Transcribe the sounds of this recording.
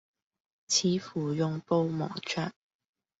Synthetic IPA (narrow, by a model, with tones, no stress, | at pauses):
t͡sʰiː˨˥fuː˨˩jʊ˧ŋpo˥wmɔ̰ː˨˩t͡ʃʰœː˥n̚